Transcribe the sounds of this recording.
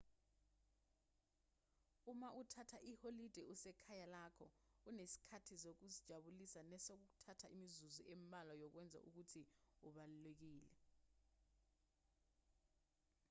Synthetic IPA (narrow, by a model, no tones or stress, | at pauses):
umaʔutʰatʰaʔiholid̥ʱɛʔusɛkʰajalaːkʰɔunesi̥kʰatʰisok̬uzid̥ʒ̥ʱaɓulisanɛsok̬uk̬u̥tʰatʰaimizuziʔembʱalajɔk̬wɛnd͡zʱa̰ʔuk̬utʰiuɓalulek̬iːlɛ